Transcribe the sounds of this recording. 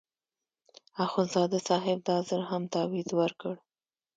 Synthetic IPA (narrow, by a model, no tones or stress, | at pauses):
axʊnzɑd̪asɑɦɪb̚d̪ɑzəɾɦamt̪ɑwizwəɾkəɽ